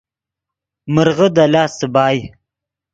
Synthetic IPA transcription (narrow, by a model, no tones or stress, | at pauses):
məɾʁəd̪alɑːsəbɑːj